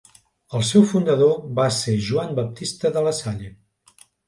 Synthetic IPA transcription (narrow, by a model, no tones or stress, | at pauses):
əlˠsɛwfund̪əðoβaseʒuambəp̚t̪ist̪əðələsaʎe